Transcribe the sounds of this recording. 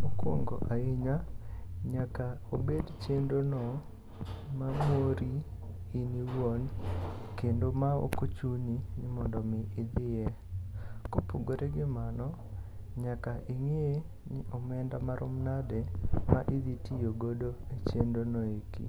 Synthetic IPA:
okwo̰ŋɡo̰ʔaiɲaɲakaobedt͡ʃendonɔ | mamoɾiː | niwonkendomao̰kot͡ʃuɲinɪmɔndɔmɪɪd̪ɪjɛ | kopoɡoɾeɡɪmanɔ | ɲakaʔiŋe | nɪʔɔmɛndamaɾʔʊ̰mnadɛmaʔid̪itijoɡodoet͡ʃendonɔekḭ

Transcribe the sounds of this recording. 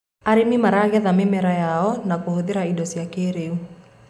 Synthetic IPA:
aɾemimaɾaɣɛðamemɛɾajaɔnakohoðeɾaidɔsiakeɾeu

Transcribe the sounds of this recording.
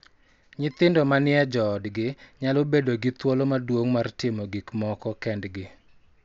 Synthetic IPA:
ɲɪt̪ɪndɔmanɪɛd͡ʒɔːdɡɪɲalobedoɡɪt̪wɔlɔmadwoŋmartɪmɔɡikmɔkɔkɛndɡɪ

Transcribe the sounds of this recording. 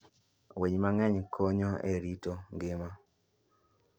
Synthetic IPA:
weɲmaŋɛɲkʰoɲoḛɾitoŋɡɪma

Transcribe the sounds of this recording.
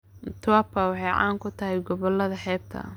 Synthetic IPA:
t̪ʰʊwɐpʰɐwɑħɑjʕa̰ːŋkʰʊt̪ʰɐɦɛjɡɔβɔlɐðɐħɛːb̚t̪ʰɐ̰

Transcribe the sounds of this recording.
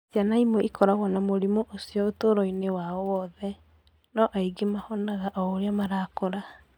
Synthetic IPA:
d͡ʒanaimwɛʔikʰɔɾaɣwɔnamoɾimoʔosiɔotoɾɔinewaɔwɔðɛ | nɔʔaiɡemahɔnaɣaʔɔoɾeamaɾaːkɔɾa

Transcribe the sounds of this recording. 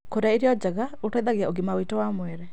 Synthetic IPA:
koɾaiɾjɔd͡ʒaɡautɔd̪aɡjaʔoɡimawitɔwamweɾɛ

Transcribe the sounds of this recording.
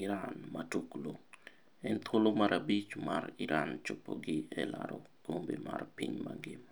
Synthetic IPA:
iɾanmatuklo | ɛnt̪ʰolomaɾabit͡ʃmariɾʔant͡ʃopːoɡɪɛla̰ɾokombimarpiɲmaŋɡɪm

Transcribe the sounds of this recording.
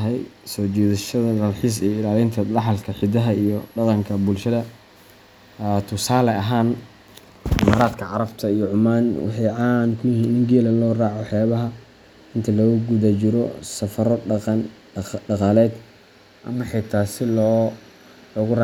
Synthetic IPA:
ɦɛjsɔːt͡ʃɛːðɐʃɐðɐd̪ɐlħiːs̬ɛjɔɪlaːlɪnt̪ʰɐd̪ɑħɑlkʰɐħɪd̪ɐɦɐijɔɖɐqɑŋkʰɐbʊlʃɐðɐ | t̪ʰʊsaːlɛɐɦaːn | ʔɪmaːɾaːd̪kʰɐʕɑɾɐbt̪ʰɐijɔʕʊmaːnwɑ̰ħɑjʕɑːnkʰʊjɪhiːnːɪŋɡɛːlɐlɔːrɑːʕɔħjaːβɐɦɐ | ɪnt̪ʰɐlɔːɣʊɡʊðɐt͡ʃɪɾɔ̰sɐfɐɾɔn | ɖɑqɑːlɛːd̪ | ʔɐ̰mɐħɛjt̪ʰaːsɪlɔː | lɔːɣʊrɑː

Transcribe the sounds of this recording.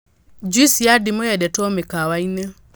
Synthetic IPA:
d͡ʒwisijadimɔjɛdɛtɔmɛkawainə

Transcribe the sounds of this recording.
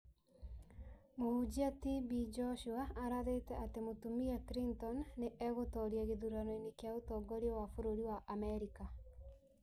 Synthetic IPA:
mohud͡ʑiatibid͡ʒɔʃuaːɾaðetɛatemotumiakɾintɔnːeʔɛɣotɔɾiaɣeðuɾanɔinekeaotɔɡɔɾiɛwafoɾoɾiwaʔamɛɾika

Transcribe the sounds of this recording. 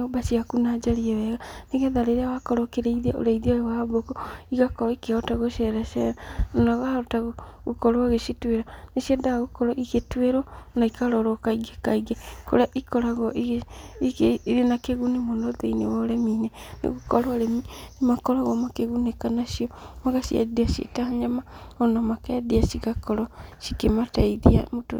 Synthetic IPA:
nobaʃiakunaːd͡ʒaɾiɛwɛɣaneɣɛðaɾeɾeawakɔɾɔkeɾeiðeo̰ɾaiðiojewabokɔiɣakɔɾɔikeɔtaɣoʃɛɾaʃɛɾanaɣaotaɣo | ɣokɔɾwaɣeʃitweɾaneʃiɛdaɣokɔɾɔʔiketweɾɔnaikaɾɔɾɔkaiɡekaiɡeko̰ɾeaʔikɔɾaɣɔʔiɣ | iɾenakeɣunemonoðeinḛwɔɾɛmiːnenḛɣokɔɾwaɾɛminemakɔɾaɣɔmakeɣunekanaʃiɔmaɣasia̰diaʃiḛtahaɲamaɔnamakɛdiasikakɔɾɔʃikemataiðia̰moto̰

